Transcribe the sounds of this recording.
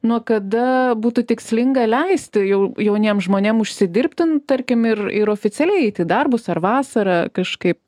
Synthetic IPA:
nuɔkɐd̪ɐbuːt̪ʊt̪ʲɪksʲlʲɪŋɡɐlʲɛɪsʲt̪ʲɪjɛʊjɛʊnʲiɛmʒmoːnʲemʊʃʲsʲɪd̪ʲɪrʲpʲt̪ʲɪnt̪ɐɾʲkʲɪmɪrɪ̰ɾoːfʲɪt͡sʲɛlʲɛɪɛɪt̪ʲɪd̪ɐrbʊsɐrʋɑːsɐɾɑːkɐʃkɐɪp̚

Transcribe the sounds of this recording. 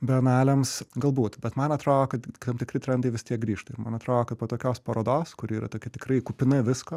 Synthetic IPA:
bʲɛɐnæːlʲɛmsɡɐlˠbuːt̪bʲɛt̪mɐnɐt̪ɾoːjoːkɐt̪t̪ɐmt̪ʲɪkɾʲɪt̪ʲɾʲɛnd̪ɐɪʋʲɪst̪ʲiɛk̚ɡɾʲiːʃt̪ɐɪɾmɐnɐt̪ɾoːjoːkɐt̪̚poːt̪oːkʲoːspɐɾoːd̪oːskʊɾʲɪiːɾɐ̰t̪oːkʲɪt̪ʲɪkɾɐɪkuːpʲɪnɐʋʲɪskoː

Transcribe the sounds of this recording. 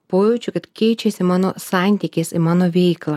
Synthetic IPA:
poːjuːt͡ʃʲʊkɐt̪kʲɛɪt͡ʃʲɛsʲɪmɑːnoːsɑnʲt̪ʲɪkʲeːsɪmɑːnoːʋʲɛɪklˠɐː

